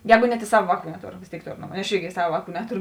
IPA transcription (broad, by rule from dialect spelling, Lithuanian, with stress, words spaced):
ˈjɛːɡʊ nʲɛt ɪ ˈsɑːʋɐ ˈʋɑːˌkuː nʲɛˈtoːr ʋʲeːs ˈtʲeːɪk ˈtoːr ˈɐʃ ˈɪrʲɡʲɪ ˈsɑːʋɐ ˈʋɑːˌkuː ˈnʲæːtoːrʊ